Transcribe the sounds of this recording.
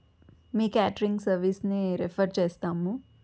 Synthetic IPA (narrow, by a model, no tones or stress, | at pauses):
miːkaːʈəɾiŋɡsɐɾʋiːsniɾepʰɐɾt͡ʃeːst̪aːmu